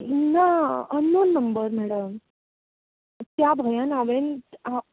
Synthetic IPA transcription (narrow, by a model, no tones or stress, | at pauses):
naənːoːnːəmbəɾmɛɽəm | t̪jabʱajanaʋena